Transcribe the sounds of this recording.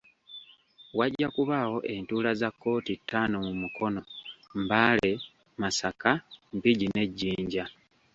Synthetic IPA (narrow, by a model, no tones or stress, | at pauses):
waɟːakuβaːwo̞ʔe̞ntuːlazakːo̞ːtitʰːaːnomumukʰo̞no̞mbaːle̞ | masakampiɟine̞ɟːiːɲɟa